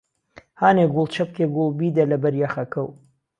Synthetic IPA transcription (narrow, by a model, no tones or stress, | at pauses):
haːneɡulˠt͡ʃʰɐp̚keɡulˠbiːd̪ɐlɐbɐɾjaxɐkɐw